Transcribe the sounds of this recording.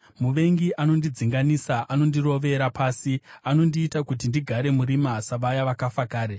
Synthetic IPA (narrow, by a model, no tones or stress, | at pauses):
muʋe̞ŋɡiʔano̞ndid͡ziŋɡanisaʔano̞ndiro̞ʋe̞ɾapʰaːsiano̞ndiːtakutindiɡʱaɾe̞muɾimasaʋajaʋakafakaːɾe